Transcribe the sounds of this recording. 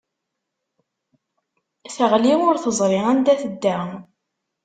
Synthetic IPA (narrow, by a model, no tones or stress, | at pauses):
θəʁliʊɾθəzˤɾˤiænd̪æθəd̪ːæ